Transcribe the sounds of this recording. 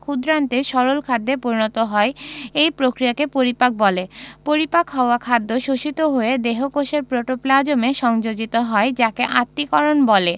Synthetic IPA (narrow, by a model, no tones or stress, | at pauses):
kʰud̪ɾant̪eʃɔɾolkʰad̪ːepoɾinot̪oɦɔeejpɾokɾijakepoɾipak̚bɔlepoɾipakɦɔoakʰad̪ːoʃoʃit̪oɦoed̪eɦokoʃeɾpɾoʈoplad͡ʑomeʃɔŋd͡ʑod͡ʑit̪oɦɔed͡ʑakeʔat̪ːikɔɾonbɔle